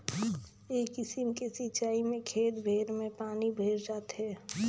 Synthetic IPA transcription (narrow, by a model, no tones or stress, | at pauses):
eːkɪsɪmkesɪt͡ʃaːimẽkʰeːt̪bʱeːɾmẽpaːnibʱeːɾd͡ʒaːt̪ɦɛː